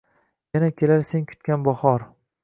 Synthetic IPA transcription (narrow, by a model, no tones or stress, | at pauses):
janakʲʰe̞laɾseŋkʰʊ̥t̪̚kʲanbɒhɒɾ